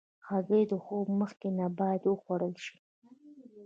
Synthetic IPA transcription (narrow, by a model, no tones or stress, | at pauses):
xazed̪əxobməxkenabɑjad̪wəxwaɽəlʃi̥